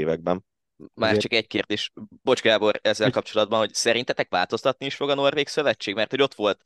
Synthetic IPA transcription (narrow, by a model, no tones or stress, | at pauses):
vɛɡ̚bɛn | maːt͡ʃɒkɛc̚keːrd̪eːʃbo̞t͡ʃkaːbo̞ɾɛzːɛlkɒpt͡ʃo̞lɒd̪̚bɒnho̞csɛɾint̪ɛt̪ɛkʋa̰ːlt̪o̞st̪ɒt̪̚niiʃfo̞ɡɒno̞rveːksøvɛt͡ʃːeːɡmɛrt̪ho̞ɟo̞t̪ʋo̞lt̪